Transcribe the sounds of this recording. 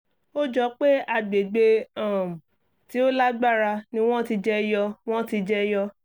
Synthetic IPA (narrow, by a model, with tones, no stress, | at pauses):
o˦d͡ʒɔ˧˦k͡pe˦a˧˨ɡ͡be˨ɡ͡be˧ã˦˨m̩˨ | ti˨˦o˦la˦ɡ͡ba˦˨ɾa˧nĩ˦w̃ɔ̃˦ti˧d͡ʒɛ˦jɔ˧w̃ɔ̃˦ti˧d͡ʒɛ˦jɔ˧